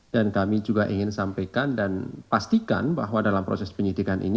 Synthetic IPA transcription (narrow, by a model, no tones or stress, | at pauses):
d̥ankamid͡ʒuɡaʔiŋɪnsampajkandanpast̪ika̰nbaɦwadalampɾo̰sɛspəɲidikanʔḭni